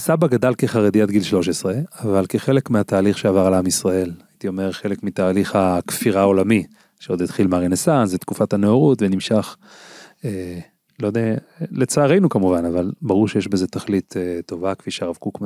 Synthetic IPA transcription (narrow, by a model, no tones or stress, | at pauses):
sabaɡad̪alkeχaʁed̪ijat̪ɡilʃlo̞ʃ̬e̞sʁe̞avalkeχe̞le̞kmeat̪aːliχʃeavaʁalamisʁae̞lajit̪io̞meʁχe̞lekmit̪aːliχakfiʁaːo̞lami | ʃeo̞d̪it̪χilmaʁenesanszet̪kufathaneoʁutvenimʃaχ | e | lod̪e | le̞t͡saːʁejnukamuvanavalbaʁuʁʃejeʃbeze̞t̪aχlit̪ʰetːo̞vakfiʃeaʁavkukma